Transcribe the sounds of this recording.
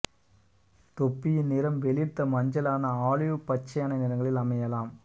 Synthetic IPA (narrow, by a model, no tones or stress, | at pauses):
t̪ɔpːɪjɪnɪɾɐmʋɛlɪɾt̪ːɐmɐɲd͡ʒɐlaːnɐaːɭɪʋɯpːɐt͡ʃːɐjaːnɐnɪɾɐŋɡɐɭɪlɐmɐjɐlaːm